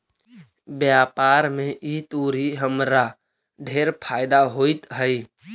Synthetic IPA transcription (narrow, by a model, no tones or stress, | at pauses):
bjapaɾmẽʔit̪uɾiɦəmɾa | ɖʱeɾpʰaɪd̪aɦoɪt̪ɦəɪ